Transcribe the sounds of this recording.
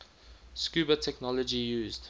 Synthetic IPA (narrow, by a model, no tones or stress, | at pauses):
skjuːbətʰɛknɔlɔd͡ʒijuːzd̥